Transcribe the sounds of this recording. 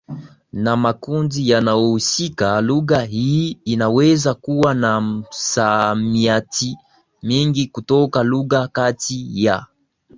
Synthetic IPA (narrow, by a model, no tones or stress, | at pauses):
namakundijanaɔusikaluɣahiːnawɛzakuwanasamiati | miŋɡikutɔkaluɣakatija